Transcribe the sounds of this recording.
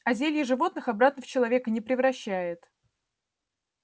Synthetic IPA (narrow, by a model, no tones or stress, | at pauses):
ɐzʲelʲjɪʐɨvo̞t̪nɨxɐbɾat̪nəft͡ɕɪlˠɐvʲe̞kənʲɪpɾʲɪvɾɐɕːæjɪt̪